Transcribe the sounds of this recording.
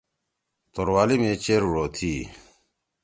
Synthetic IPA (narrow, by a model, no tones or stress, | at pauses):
t̪oɾwaːlimẽːt͡ɕeːɾɻoːt̪ʰiː